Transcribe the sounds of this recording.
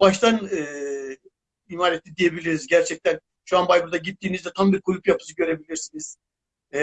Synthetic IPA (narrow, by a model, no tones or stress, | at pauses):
baʃt̪ʰanɯː | imaːɾet̪lːʲid̪ije̞bilʲiɾizɟæɾt͡ʃʰɛc̚t̪ʰæn | ʃuanbajbɯɾd̪aɟit̪ːiːnizd̪ɛt̪ʰambiɾkʰulʲupjapʰɯ̥sɯɡɟø̞ɾe̞bilʲiɾsiniz̥